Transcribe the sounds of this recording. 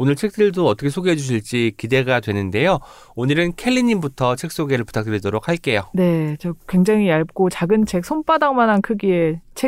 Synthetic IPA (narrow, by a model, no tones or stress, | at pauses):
onɯɭt͡ɕʰe̞k̚t͈ɯɭdoʌt͈ʌkʰesʰoɡeɦed͡ʑuɕ̬ʰiɭt͡ɕ͈ikide̞ɡadwe̞nɯnde̞jo | onɯɾɯnkʰe̞ʎːiɲimbutʰʌt͡ɕʰe̞k̚s͈oɡe̞ɾɯɭpu̥tʰak̚t͈ɯɾidoɾok̚haɭk͈e̞jone̞t͡ɕʌkwe̞ŋd͡ʑaŋiaɭp̚k͈ot͡ɕaɡɯnt͡ɕʰe̞k̚sʰonp͈adaŋmanankʰɯɡie̞t͡ɕʰe